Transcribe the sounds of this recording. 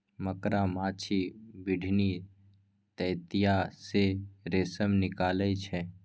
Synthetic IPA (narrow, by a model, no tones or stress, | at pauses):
məkɾamaːt͡ʃʰibɪɖʱni | t̪ɛːt̪ijaseɾeːsəmnɪkaːlət͡ʃʰɛː